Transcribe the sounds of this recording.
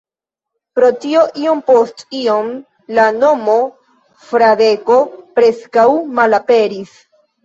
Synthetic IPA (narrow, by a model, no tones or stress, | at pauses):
pɾo̞tio̞ʔio̞mpo̞stio̞m | lano̞mo̞ | fɾade̞ko̞pɾe̞skawmalape̞ɾis